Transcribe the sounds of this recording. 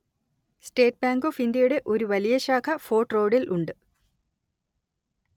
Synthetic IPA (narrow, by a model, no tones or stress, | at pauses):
sʈeːʈ̚baːŋɡoːfind̪jɐjuɽe̞ʔo̞ɾuʋɐlijɐɕaːkʰɐfo̞ːʈro̞ːɖilʔuɳɖɨ